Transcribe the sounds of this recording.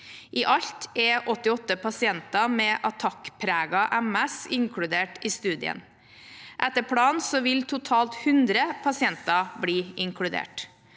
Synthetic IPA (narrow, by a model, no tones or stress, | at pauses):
ʔiːʔɑʎt̪ɛʔɔt̪ːɪɔt̪ːəpɑsɪɛnt̪ɑmɛːʔɑt̪ʰɑkpʰɾæːɡɑʔæmɛsɪŋkʰɽʉd̪eːʈiːst̪ʉːd̪ɪ̰ə̰n | ʔɛt̪əpʰɽɑːnsɔʋɪlt̪ʰʊt̪ʰɑːlt̪hʉnd̪ɾəpʰɑsɪɛnt̪ɑbɽiːʔɪŋkʰɽʉd̪ḛːʈ